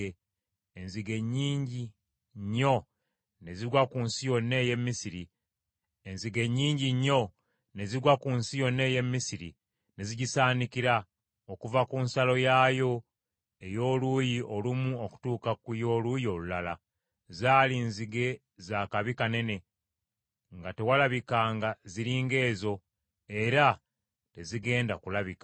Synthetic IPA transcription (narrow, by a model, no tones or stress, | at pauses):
enziɡe̞ɲːiːɲɟi | ɲːo̞ | ne̞ziɾwakunsijo̞nːe̞ːje̞mːisiɾi | enziɡe̞ɲːiːɲɟiɲːo̞ | ne̞ziɾwakunsijo̞nːe̞ːje̞mːisiɾḭ | ne̞ziɟisaːnikiɾa | okuvakunsalo̞jaːjo̞ | e̞jo̞ːlujiʔo̞lumuoku̥tuːkakujo̞ːlujio̞lulala̰ | zaːlinziɡe̞ | zakaβikane̞ne̞ | ŋɡate̞walaβikaːŋɡaziɾiːŋɡe̞ːzo̞ | e̞ɾa | te̞ziɡe̞ːndakulaβikḁ